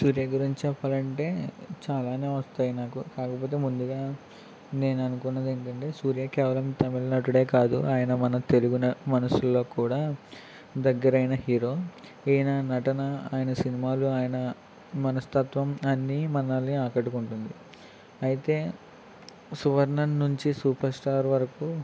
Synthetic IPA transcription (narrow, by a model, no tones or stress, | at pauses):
suːɾjaːɡuɾiɲt͡ʃt͡ʃɛpːaːlɐɳʈe̞ːt͡ʃaːlaːne̞ːʋɐst̪aːjinaːkukaːkɐpo̞ːt̪̬e̞ːmund̪uɡaː | ne̞ːnɐnukunːɐd̪eːɳkɐɳʈe̞ːsuːɾjaːkɛːʋɐlɐmt̪ɐmilɐnɐʈuɽe̞ːkaːd̪ṵʔaːjɐnɐmɐnɐt̪eluɡunɐmɐnɐsulːo̞ːkuːɽaː | d̪ɐɡːɐɾɐjnɐɦiːɾo̞ː | inɐnɐʈɐnɐaːjɐnɐsinimaːluaːjɐnɐ | mɐnɐst̪ɐt̪ʋɐmɐnːimɐnːaːlniaːkɐʈːukuɳʈund̪i | ɐjit̪e̞ː | suʋɐɾnɐnːuɲt͡ʃisuːpɐɾsʈaːɾʋɐɾɐku